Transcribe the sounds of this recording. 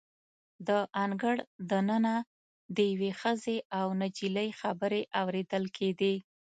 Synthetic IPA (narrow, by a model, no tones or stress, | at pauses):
d̪əʔaŋɡəɽd̪anəna | d̪əjawexəzeawnad͡ʒiləjxabəɾeʔawɾed̪əlkʰed̪e